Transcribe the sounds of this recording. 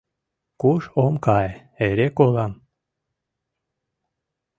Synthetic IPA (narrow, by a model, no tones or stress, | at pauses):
kuʃomkɑj | eɾekolɑm